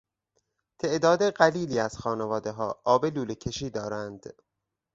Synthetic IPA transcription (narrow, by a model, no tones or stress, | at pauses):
t̪ʰe̞ʔd̪ɒːd̪eɢæliːliːæz̥xɒːnevɒːd̪e̞ɦɒːʔɒːbeluːlecʰe̞ʃiːd̪ɒːɾænd̪̥